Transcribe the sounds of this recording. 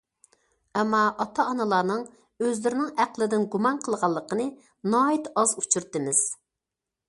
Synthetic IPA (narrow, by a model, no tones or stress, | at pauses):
ɛmːɑːt̪ʰɑːnɨlˠɑːnɨŋ | øzlɪɾɪnɪŋæqlˠɪd̪ɪnɡumɑnqʰəlˠʁɑlˠːəqənɨ | nɑːit̪ɑzut͡ʃʰyɾt̪ɨmɪz̥